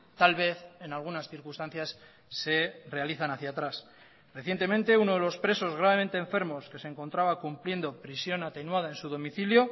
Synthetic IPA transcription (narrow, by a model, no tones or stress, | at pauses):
t̪alβe̞θe̞nalɣ̞unasθiɾkust̪anθjasː | e̞re̞aliθanaθjat̪ɾas | re̞θje̞nt̪e̞mẽnt̪e̞uno̞ð̞e̞lo̞spɾe̞so̞zɣ̞ɾaβ̞e̞mẽ̞nt̪eːɱfe̞ɾmo̞ske̞seːŋko̞nt̪ɾaβakumplje̞nd̪o̞pɾisjo̞nat̪e̞nwað̞ae̞nsuðo̞miθiljo̞